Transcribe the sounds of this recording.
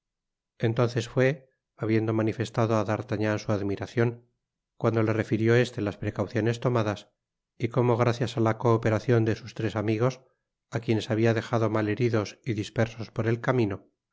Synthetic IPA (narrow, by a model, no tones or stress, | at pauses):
e̞nt̪o̞nθe̞sfwe̞ | aβje̞nd̪o̞manife̞st̪aðo̞aðaɾt̪aɲansuaðmiɾaθjo̞ŋ | kwand̪o̞le̞re̞fiɾjo̞e̞st̪e̞laspɾe̞kawθjo̞ne̞st̪o̞maðas | iko̞mo̞ɣ̞ɾaθjasalakoːpe̞ɾaθjo̞nd̪e̞sust̪ɾe̞samiɣ̞o̞s | akje̞ne̞saβ̞iaðe̞xaðo̞male̞ɾiðo̞siðispe̞ɾso̞spo̞ɾe̞lkamĩno̞